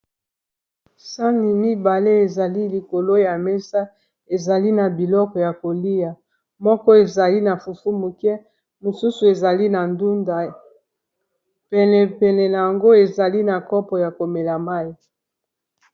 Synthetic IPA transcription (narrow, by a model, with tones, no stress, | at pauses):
sa˦ni˨mi˦ba˨le˦e˨za˨li˦li˨ko˨lo˦ja˨mɛ˦sa˦ | e˨za˨li˦na˨bi˨lɔ˦kɔ˨ja˨ko˨li˦ja˨ | mɔ˦kɔ˦e˨za˨li˦na˨fu˨fu˦mu˨kɛ˦ | mo˨su˦su˨e˨za˨li˦na˨ndu˦nda˨ | pɛ˨lɛ˨pɛ˨nɛ˨na˨ja˨ŋɡo˦e˨za˨li˦na˨kɔ˦pɔ˨ja˨ko˨me˨la˨ma˦i˨